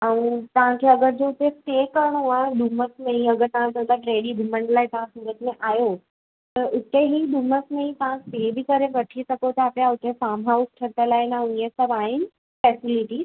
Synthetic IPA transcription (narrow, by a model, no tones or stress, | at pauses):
ãũt̪ɐʋ̤ãkʰeɐɡəɾd͡ʑoʊt̪esʈeːkɐɾɽ̃oaːɗ̪uməsmẽĩɐɡəɾt̪ɐʋ̤ãt̪ə̃t̪ʰaʈɾeːɽib̪ʱʊməɳɖlaːet̪ɐʋ̤ãsuːɡət̪mẽʔaːjo | t̪ɐʔʊt̪eɦiɗ̪uməsmẽĩt̪ɐʋ̤ãsʈeːbɪkɐɾeʋɐʈʰisɐkot̪ʰaːpjaʊt̪efaːmɦaʊsʈʰɐt̪əlaːɪnãĩə̃sɐbaːɦɪnɪ̆ | fɛːsɪlɪʈiːz